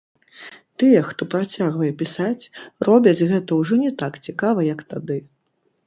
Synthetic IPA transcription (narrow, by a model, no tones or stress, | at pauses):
t̪ɨjɛxt̪ɔpɾat͡sʲaɣvɐjɛpʲisat͡sʲrɔbʲɐt͡sʲɣɛt̪ɐwʐɔnʲɛt̪akt͡sʲikavɐjɐkt̪ad̪ɨ